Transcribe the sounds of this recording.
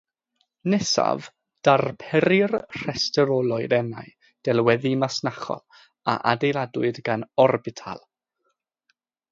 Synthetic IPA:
nɛsa̰v | d̥arpʰɛɾɪrr̥ɛstɛɾɔlˠɔɨdɛna̰j | d̥ɛlˠwɛðimasnaχɔ̰lˠ | a̰ʔadejlˠadwɨdɡanɔrbɪtʰa̰lˠ

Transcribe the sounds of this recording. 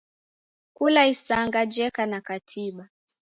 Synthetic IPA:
kulaisaŋɡad͡ʒɛkanakatʰiɓa

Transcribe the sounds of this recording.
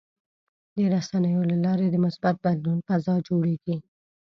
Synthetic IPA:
d̪əɾasanəjolalɑɾed̪əmʊsbat̪̚bad̪lunfazɑd͡ʒoɽeɡi

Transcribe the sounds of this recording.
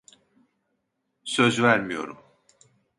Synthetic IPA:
sø̞zvæɾmijo̞̰ɾum

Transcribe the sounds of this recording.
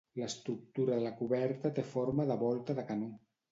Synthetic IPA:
ləst̪ɾuk̚t̪uɾaðəlakuβɛɾt̪at̪efoɾmaðəβɔlˠt̪aðəkanu

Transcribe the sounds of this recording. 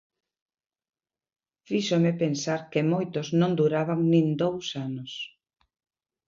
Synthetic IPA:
fiʃomepensaɾkɪmojt̪ʊznõŋd̪uɾaβaŋnĩŋd̪owsanʊs

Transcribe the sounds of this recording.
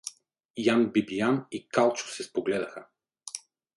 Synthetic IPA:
janbibijanikalˠt͡ʃʊ̥sɛspoɡlɛd̪ɐxə

